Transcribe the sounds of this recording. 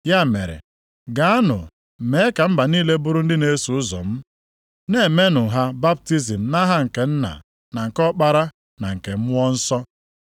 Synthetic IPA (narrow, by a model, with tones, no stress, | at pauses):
ja˦˨mḛ˨ɾḛ˨ | ɡa˨a˦nʊ̰˨ | me˨˦ka˨m̩˦ba˨niː˦le˦bʊ˦ɾʊ˦n̩˦dɪ˦ne˦su˨ʊ˦zɔ̰˨m̩˦ | ne˦˨e˨me˦nʊ˨ɦa˦ba˦b̚ti˦zi˨m̩˨na˦ɦa˦ŋ̩˨ke˨n̩˦na̰˨ | na˨ŋ̩˨kɔ˦k͡pa˦ɾa˦ | na˨ŋ̩˨ke˨m̩˦m˦ɔ˦n̩˦sɔ˦